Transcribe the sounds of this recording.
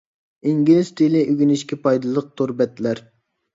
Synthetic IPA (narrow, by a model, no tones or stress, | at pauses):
iŋɡʲilizt̪ʰelɪʔyɡʲyniʃkʲɛpɑjd̪ɨlˠəq̚t̪ʰoɾbɛt̪læɾ